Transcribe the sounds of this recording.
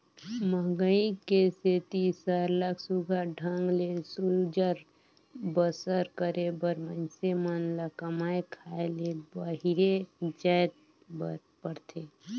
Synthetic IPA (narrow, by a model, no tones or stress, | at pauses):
məɡəikeset̪isaɾləksuɡʱaɖʱə̃ŋɡlesud͡ʒəɾ | bəsəɾkəɾebəɾmənsemanlakəmaːekʰaːelebəɦiɾed͡ʒajt̪̚ | bə | pəɾt̪ʰe